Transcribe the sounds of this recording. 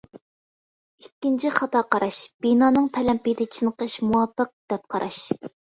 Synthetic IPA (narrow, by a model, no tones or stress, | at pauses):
ikʲːint͡ʃʰiχɑt̪ɑːqɑɾʔɑʃb̥inɑːnɨŋpʰɛlɛmpid̪ɪt͡ʃʰinqəʃmuwɑpːəq̚d̪̥ɛp̚qʰɑɾʔɑʃ